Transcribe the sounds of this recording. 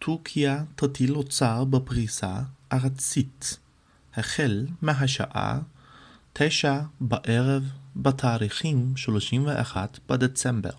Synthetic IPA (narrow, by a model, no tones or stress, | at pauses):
tʰuʁkʰiat̪atilot͡saʁbepʁisa̰ʔaʁat͡sit | heχelmeɦaʃa̰ʔa̰ | tʰejʃabaʔeʁevbatʰaːʁiχimʃloʃimveʔaχatb̥adet͡sembḛʁ